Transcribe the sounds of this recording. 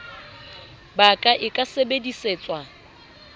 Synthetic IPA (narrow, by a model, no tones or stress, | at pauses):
bakʼaʔɪkʼasebediseːt͡sʼwa